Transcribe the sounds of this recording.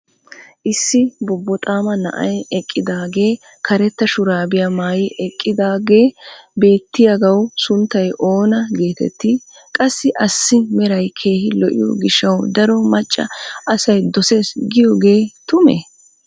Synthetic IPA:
ʔɪsːɪbɔbːɔt̪ʼaːmɐnɐ̰ʔɐ̰jɛkʼːɪd̪aːɡe̞ː | kʰɐɾɛt̪ːɐʃʊɾaːbɪjaːmaːjɪʔɛkʼːɪd̪aːɡe̞ːbe̞ːt̪ːɪjaɡɐwsʊnt̪ːɐjʔo̞ːnɐɡe̞ːt̪ɛ̰t̪ːɪ | kʼɐsːɪʔɐsːɪmɛɾɐjkʰe̞ːhɪlɔʔɪ̰jɔ̰ɡɪʃːɐwd̪ɐɾɔmɐt͡ʃʼːɐ̰ɐsɐjd̪ɔse̞ːsɡɪjɔɡe̞ːt̪ʊmḛ

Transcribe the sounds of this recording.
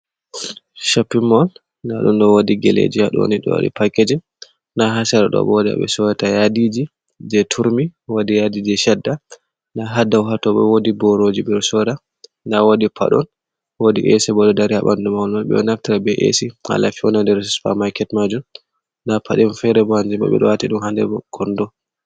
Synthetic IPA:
ʃapːimːɔl | naɗunɗɔwodiɡɛ̰lḛd͡ʒiaɗɔ̰niɗɔ̰wo̰dḭpakːed͡ʒin | naɦasɛɾaɗɔ̰bɔda̰ɓɛ̰sɔjatajadid͡ʒi | d͡ʒɛtʰuɾmiwodijadid͡ʒɛʃɛdːa | ndaɦadawɦatɔɓɛ̰wodibɔɾod͡ʒiɓɛɾsɔɾa | ndawodipʰa̰ɗɔ̰n | wodiʔɛsɛbɔɗɔdaɾihaɓandumawlmaɓɛ̰ɔnaftiɾabɛʔḛsiha̰la̰fiɔnandɛɾsfa̰majkɛtmad͡ʒum | nːdapʰaɗɛmfɛɾɛbɔhand͡ʒɛbɔ̰ɓɛ̰ɗɔwatiɗumhandɛbɔɡ̥ɔndɔ

